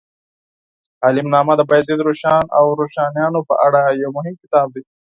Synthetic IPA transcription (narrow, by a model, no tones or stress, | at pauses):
aːlɪmnɑːmad̪əbajzed̪ɾoʃɑːnawɾoʃɑːnjɑːnopə̰ʔaɽajawmʊɦɪmkɪ̥t̪ɑːb̚d̪e